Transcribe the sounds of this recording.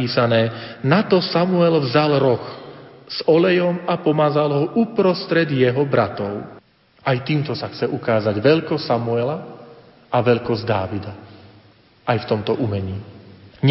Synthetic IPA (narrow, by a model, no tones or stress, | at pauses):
iːsanɛːnat̪ɔsamuɛlvzalɾɔxz̥ɔlɛjɔmapɔmaːzalɦɔʔupɾɔst̪ɾɛd̪jɛɦɔbɾat̪ɔʊ | ʔajt̪iːmt̪ɔsaxt͡sɛʔukaːzaɟʋɛʎkɔsːamuɛla | aʋɛʎkɔzd̪a̰ːʋid̪a | ʔajft̪ɔmt̪ɔʔumɛɲiːɲ